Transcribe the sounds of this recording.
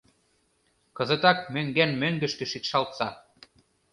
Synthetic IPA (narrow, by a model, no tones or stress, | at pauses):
kɤ̆zɤ̆t̪ɑk̚møŋɡænmøŋɡɘ̆ʃkɘ̆ʃit̪ʃɑlt̪sɑ